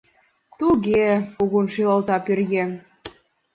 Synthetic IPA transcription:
t̪uɣeuɣunʃiləlt̪ɑpirɣen

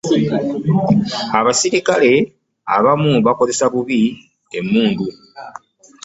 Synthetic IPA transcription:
aβasiɾikale̞ | a̰βamuβako̞ze̞saβuβi | emːuːndu

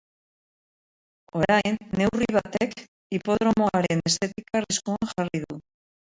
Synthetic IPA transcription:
o̞ɾajnːe̞wriβ̞at̪e̞k | ipo̞ðɾo̞moaɾe̞ne̞st̪e̞t̪ikariskuaŋʝariðu

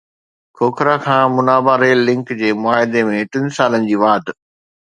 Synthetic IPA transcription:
kʰoːkʰɾakʰãːmʊnaːbaɾeːlːɪ̃ŋkd͡ʑeːmʊaːɦɪd̪emẽʈɪ̃nsaːlənɪ̆d͡ʑiːʋaːʈ

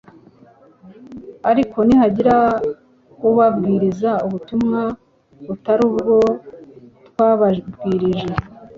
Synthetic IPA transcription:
aɾiko̞nihaɟiɾa | kuβabɡiːɾizauβutumŋa | βutaɾuːβɡo̞ | tkwaːβbɡiːɾiʒe

